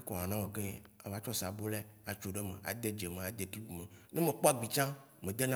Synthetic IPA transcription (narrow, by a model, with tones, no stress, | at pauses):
e˦kɔ˨a˨nã˦mẽ˨ke˦a˨va˦t͡ʃɔ˦sa˨bo˦lɛ˦a˨t͡ʃo˨ɖe˦mḛ̃˨ʔa̰˨d̪e˦d͡ʒe˨mẽ˨a˨d̪e˨t̪u˦bu˨me˨nẽ˦mẽ˨k͡pɔ˦a˦ɡ͡bi˨t͡ʃã˦ | mẽ˨d̪e˦nã˦